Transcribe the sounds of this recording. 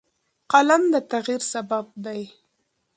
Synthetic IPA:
qalamd̪ət̪aɣiɾsabab̚d̪aj

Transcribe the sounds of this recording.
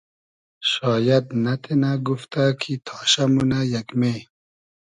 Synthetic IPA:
ʃɑːjad̪nat̪ʰenaɡuft̪akʰit̪ʰɑːɕamunajakme

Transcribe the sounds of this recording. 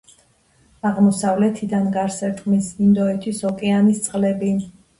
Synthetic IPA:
aʁmɔsavlɛt̪ʰid̪anɡaɾsɛɾt̪ʼmisind̪ɔɛt̪ʰisɔkʼɛanist̪sʼqʼlɛbi

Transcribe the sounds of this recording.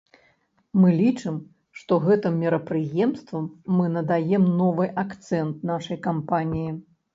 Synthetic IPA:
mɨlʲit͡ʂɨm | ʂt̪ɔɣɛt̪ɨmːʲiɾɐpɾɨjɛmst̪vɐmːɨnɐd̪ajɛmnɔvɨjʔakt̪sɛnt̪̚naʂɐjkampanʲiji

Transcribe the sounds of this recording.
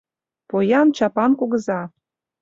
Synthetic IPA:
pojɑnt͡ɕɑpɑnkuɣɤ̆zɑ

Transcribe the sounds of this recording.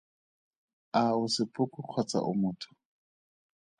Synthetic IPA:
aʊsɪpʼʊkʼʊq͡χʰɔt͡sa̰ʔʊ̰mʊːtʰʊ̥

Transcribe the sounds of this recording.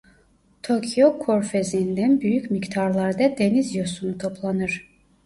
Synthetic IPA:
t̪ʰocʰijokʰoɾfezind̪ænbyjycʲmict̪ʰaɾlˠɑɾd̪ɑd̪enizjosunut̪ʰo̞pʰlˠanɯɾ̥

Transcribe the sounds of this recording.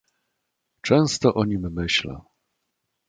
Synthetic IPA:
t͡ʂɛ̃w̃st̪ɔʔɔɲimːɘɕlɛ̰

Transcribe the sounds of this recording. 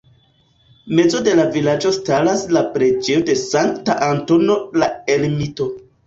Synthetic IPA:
me̞zo̞de̞lavilad͡ʒo̞stalaslapɾe̞d͡ʒeode̞saŋktaʔanto̞no̞lae̞lmito̞

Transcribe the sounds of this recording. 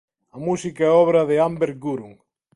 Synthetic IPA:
ɐmusikaɛɔβɾɐðeambeɾɡuɾuŋ

